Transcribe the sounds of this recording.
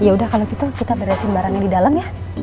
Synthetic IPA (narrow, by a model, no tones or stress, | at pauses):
jaudahkalokit̪akit̪abərɾasinbaɾaŋɲadidalaŋja